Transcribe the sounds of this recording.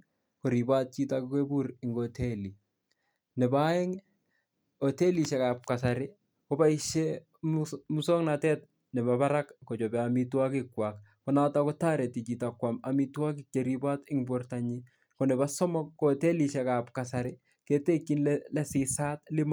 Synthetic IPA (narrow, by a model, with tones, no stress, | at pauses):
kɔ˨ɾi˨ba˦t̚t͡ʃi˦takke˦bu˦ɾɪ˨ŋɡɔtʰɛ˦li˨ | nɛ˨ba˦ɛ˦ŋ | ɔ˨tɛ˦li˨ʃɛ˨kap̚kasaɾɪ | kɔ˦ba˦i˦ʃɛ | mmu˦sɔ˦ŋna˨tɛ˦t̚ | nɛ˨baba˦ɾa˦kkɔ˨t͡ʃɔ˨bɛ˨amitwa˦kɪ˦kːwak | kɔ˦natakɔ˦ta˦ɾɛ˨ti˨t͡ʃi˨takwama˨mitwa˦k̬ɪ˦k̚t͡ʃeɾiba˦tɪŋbɔrtaɲi | kɔ˨nɛ˨ba˦sɔ˦mɔ˦kːɔtɛ˦liʃɛka˨p̚ka˨sa˨ɾɪ˦ | ke˨te˦kːi˦nllɛ˦sɪsa˦tlɪ˦m